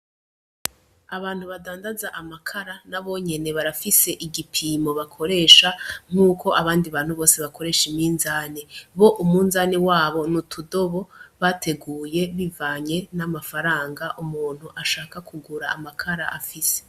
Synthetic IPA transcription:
aβaːn̥huβadaːndazaʔamakʰaɾanaβo̞ɲe̞ne̞βaɾafise̞ʔiɡipʰiːmo̞βakʰo̞ɾe̞ːʃaŋ̥uːko̞ʔaβaːndiβaːn̥huβo̞ːse̞βako̞ɾe̞ːʃimiːnzaːniβo̞ʔumunzaːniwaːβo̞nutʰudo̞βo̞βatʰe̞ɡuːje̞βivaːɲe̞namafaɾaːŋɡaʔumuːn̥huʔaʃaːkakʰuɡuɾaːmakʰaɾa̰ʔafise̥

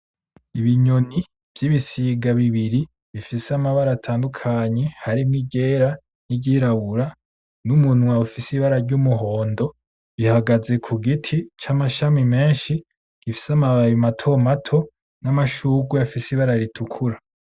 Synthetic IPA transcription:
iβiɲoni | v̥jiβisiɡaβiβiɾi | βifiseamaβaɾatʰaːndukʰaɲe̞haɾimŋiɟe̞ːɾa | niɟiːɾaβuɾa | numunwaufisiβaɾaɾɟumuɦo̞ːndo̞ | βihaɡaze̞kʰuɡitʰit͡ʃamaʃamime̞ːnʃi | ɡ̥ifi̥samaβaɾimatʰo̞matʰo̞ | namaʃuːɡuafisiβaɾaɾitʰukʰuɾa

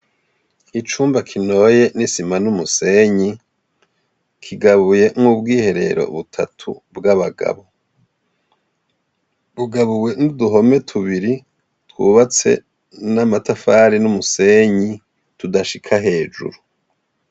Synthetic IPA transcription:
it͡ʃuːmbakʰino̞je̞nisimanumuse̞ɲi | kʰiɡaβuje̞mhuːbɡiːhe̞ɾe̞̰ɾo̞̰βutʰa̰tʰṵbɡaβaɡa̰βo | βuɡaβuwe̞nuduɦo̞me̞tʰuβiɾi | twṵβat͡se̞̰ | namatafaɾinumuse̞ɲi | tudaʃikʰaɦe̞ːd͡ʒṵɾu

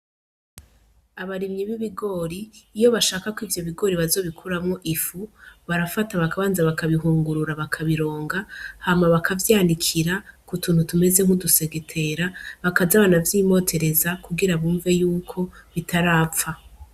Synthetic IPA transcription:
aβaɾimɲiβiβiɡo̞ɾiːjo̞βaʃaːkakwiːvjo̞βiɡo̞ɾiβazo̞ːβikʰuɾamŋo̞ʔifuβaɾafataβakaβaːnzaβakaβiɦuːŋɡuɾuɾaβakʰaβiɾo̞ːŋɡahamaβakʰavjaːndikʰiɾakutuːn̥hutume̞ze̞ŋ̥uduse̞ɡetʰe̞ɾaβakazaβanavjiːmo̞tʰe̞ɾe̞zakuɡiɾaβuːɱve̞juːkʰo̞βitʰaɾaːp̪fa

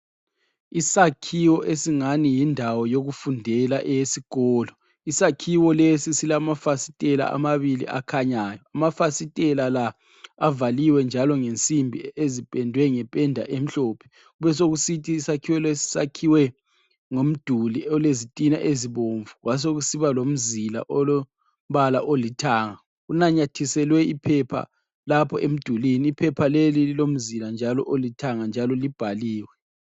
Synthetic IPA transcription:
isakʰiwɔʔesiŋanijindʱawɔjoɣufundʱɛlaʔejesiɣ̥ɔːlɔ | isakʰiwɔlesisilamafasi̥tʼɛla̰ʔa̰maβilḭʔa̰kʰaɲajɔamafasitʼɛlala | avaliwɛnd͡ʒʱalɔŋent͡sʼimbʱiezipʼɛndʱwɛŋɛpʼɛndʱa̰ʔem̩ɬoːpʰɛ̥ | uβɛs̬oɣusitʰʼisakʰiwɛlesi̥sa̰kʰiwɛ | ŋom̩d̥ʱuliɔlezitʼina̰ʔeziβoɱvuɣwas̬oɣusiβalom̩zila̰ʔɔlo | m̩βalaʔolitʰaːŋa | unaɲatʰisɛlwɛipʰɛpʰa̰ | lapʰɔʔem̩d̥ʱuliniːpʰɛpʰalelililom̩ziland͡ʒʱalɔ̰ʔolitʰaŋand͡ʒʱalɔlib̥ʱaliːwɛ

